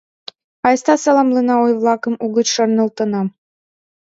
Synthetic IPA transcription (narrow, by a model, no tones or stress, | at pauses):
ɑjst̪ɑsɑlˠɑmlˠɤnɑojβlˠɑkɤ̆muɣət͡ɕʃɤrnɤ̆lˠt̪ɤ̆nɑm